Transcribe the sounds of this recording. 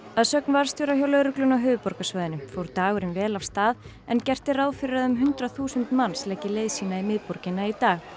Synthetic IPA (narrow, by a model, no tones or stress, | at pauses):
aðsœknvaɾ̥st̪joːɾaçjawlœɣɾʏklʏnawɦʏːvʏpɔɾkasvœːðɪnʏmfowɾt̪aːɣʏɾɪnvɛːlav̥st̪aːð | ɛncɛr̥t̪ɪraːwfɪɾɪɾaðʏmɦʏnt̪ɾaθuːsʏnt̪manslɛcɪlejðsiːnaimɪðpɔɾcɪnːait̪aːx